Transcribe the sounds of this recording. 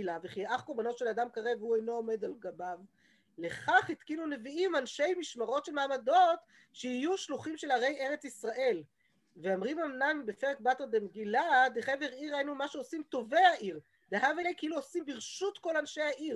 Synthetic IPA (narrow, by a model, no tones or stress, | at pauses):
laveχiʔaχkoʁbano̞tʃelad̪amkaʁeveuejno̞ome̞d̪alɡabav | le̞χaχit̪kinuneviimanʃe̞jmiʃmaʁo̞tʃelmaːmado̞t | ʃehijuʃluχimʃe̞laʁe̞je̞ʁet͡sisʁaʔe̞l | veamʁimamnanbefeʁek̚bat̪eʁd̪emeɡilad̪eχeve̞ʁiʁajinumaʃeosimto̞ve̞jaʔiʁ | d̪eɦavelejkeiluosimbiʁʃut̪ko̞lanʃejhaʔiʁ